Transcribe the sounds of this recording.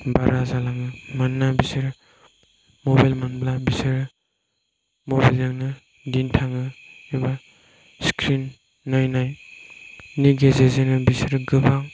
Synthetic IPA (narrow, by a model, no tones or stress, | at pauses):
baɾazalaŋɯmanːabisɯɾ | mobajlmanblabisɯɾ | mobajleŋnɯ | dintʰaŋɯeba | skɾinː | ajnaj | niɡezezenɯbisɾɡɯbaŋ